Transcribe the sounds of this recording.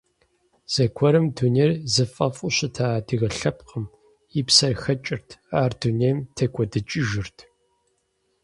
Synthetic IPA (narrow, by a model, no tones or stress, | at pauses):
z̥ɐkʷʰɔɾɨmduneːrzɨfʼɐfʼʊɕɐtʰaːdɨɣɐɬɐp̚qəm | ipsɐrxɐt͡ʃʼɪrtʰaːrduneːmtʰɐkʷʼɔdɨt͡ʃʼɪʒɪrtʰ